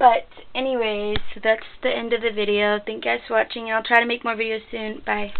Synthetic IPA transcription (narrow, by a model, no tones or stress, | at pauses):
b̥ʌtɛniweɪz̥ðætsðiʔɛ̃ndʌvðɨvɪɾioʊθɪ̃ŋkaɪswɑt͡ʃɪ̃ŋɨ̃naɪlˠtʰɹ̥aɪɾɨmeɪk̚mɔɹvɪɾioʊsʉ̃nb̥aɪ